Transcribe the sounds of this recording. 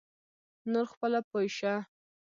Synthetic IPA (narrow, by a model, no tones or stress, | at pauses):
noɾxpəlapojʃa